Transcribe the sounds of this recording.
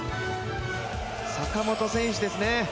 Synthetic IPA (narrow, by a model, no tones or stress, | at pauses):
sakamo̞t̪o̞sẽ̞ɰ̃ɕid̪e̞sɨne̞